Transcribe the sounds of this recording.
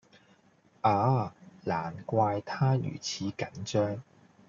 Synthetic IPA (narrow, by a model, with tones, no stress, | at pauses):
ʔaː˨˧˥laː˨˩nkʷaː˧jt̪ʰaː˥jy̰ː˨˩t͡sʰiː˨˥kɐ˨˥nt͡ʃœː˥ŋ